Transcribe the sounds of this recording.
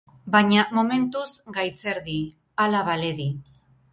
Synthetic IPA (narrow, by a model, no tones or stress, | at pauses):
baɲamome̞nt̪uzɡajt͡se̞ɾði | alaβale̞ði